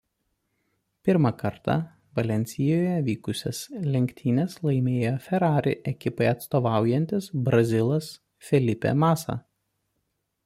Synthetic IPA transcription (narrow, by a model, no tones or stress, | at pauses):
pʲɪɾmɑkɐɾt̪ɑ̰ | ʋɐlʲɛnʲt̪sʲɪjoːjɛʋʲiːkʊsʲɛslʲɛŋʲkʲt̪ʲʰiːnʲeːslˠɐɪmʲeːjoːfʲɛɾɑːɾʲɪ̰ʔɛkʲɪpɐɪɐt̪st̪oːʋɑˑʊjɛnʲt̪ʲɪsbɾɐzʲɪlˠɐs | fʲɛlʲɪpʲɛ̰mɑːsɑ̰ː